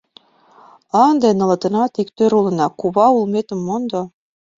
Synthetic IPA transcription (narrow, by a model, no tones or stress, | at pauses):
ɑnd̪enɤ̆lɤ̆t̪ɤ̆nɑt̪ikt̪øɾulɤ̆nɑkuβɑulmet̪ə̆mːond̪o